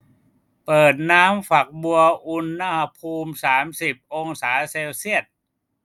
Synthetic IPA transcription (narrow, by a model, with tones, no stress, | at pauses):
pɤː˨˩t̪̚naː˦˥mfa˨˩k̚bu˧ɐʔu˧nːa˧ha˧pʰuː˧msaː˩˦msi˨˩p̚ʔo˧ŋsaː˩˦seː˧wsi˥˩ət̪̚